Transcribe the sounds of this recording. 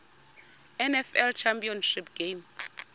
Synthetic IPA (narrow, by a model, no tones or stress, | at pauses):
ɛnɛfɛlt͡ʃʰampʼiɔnʃip̚ɡ̥em